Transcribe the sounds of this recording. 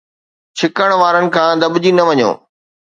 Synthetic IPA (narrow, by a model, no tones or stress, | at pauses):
t͡ɕʰɪkəɽ̃ʋaːɾənɪ̆kʰãːd̪ɐbʊd͡ʑinɐʋɐɲo̰ː